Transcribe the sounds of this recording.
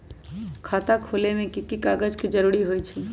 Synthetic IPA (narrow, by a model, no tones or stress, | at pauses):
kʰat̪akʰolemẽkikikaɡəd͡ʒked͡ʒəɾuɾiɦojt͡ʃʰɛ